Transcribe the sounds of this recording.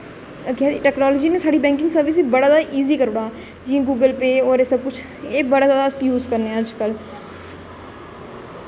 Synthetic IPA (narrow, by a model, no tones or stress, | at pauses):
kɛːiʈɛːknaːlɔːd͡ʒiːnẽsaːɖiːbɛ̃ːŋkɪ̃ŋɡsəɾʋɪs̬iːbəɽaːd̪aːʔiːziːkəɾoːɽaː | d͡ʒĩːɡuːɡəlpeːɔːɾeːsəb̚kʊt͡ʃʰ | eːbəɽaːd̪d̪asjuːzkəɾneəd͡ʒkəl